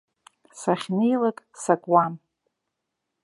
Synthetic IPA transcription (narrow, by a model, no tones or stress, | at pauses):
saχʲnejlakʼsakʼwam